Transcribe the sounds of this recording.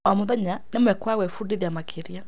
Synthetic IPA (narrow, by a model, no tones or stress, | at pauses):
ɔmoðɛɲanemwɛkwaɣwɛfudeðiamakʰeɾja